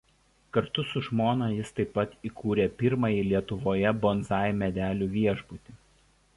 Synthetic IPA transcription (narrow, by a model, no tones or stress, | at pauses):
kɐɾt̪ʊsʊʒmoːnɑjɪst̪ɐɪpːɐt̪iˑkʰuːɾʲeːpʲɪɾmɐjɪlʲiɛt̪ʊʋoːjɛbɔnzɑːjmʲɛd̪ʲæːlʲuːʋʲiɛʒbʊt̪ʲɪ